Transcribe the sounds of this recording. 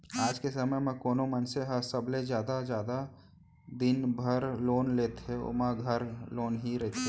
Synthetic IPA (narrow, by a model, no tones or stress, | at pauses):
aːd͡ʒkesəməjmɛ̃koːnomənseɦəsəblezjaːd̪ad͡ʒjaːd̪a | d̪ɪnbʱəɾloːnleːt̪ɦeʊ̰maɡʱɐɾloːnɦiɾɛɦt̪e